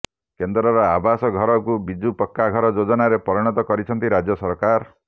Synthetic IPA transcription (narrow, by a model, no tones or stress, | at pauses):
kend̪ɾɔɾɔabasɔɡʱɔɾɔkubid͡ʒupɔkːaɡʱɔɾɔd͡ʒod͡ʒɔnaɾepɔɾiɽ̃ɔt̪ɔkɔɾit͡ʃʰɔnt̪iɾad͡ʒjɔsɔɾkaɾ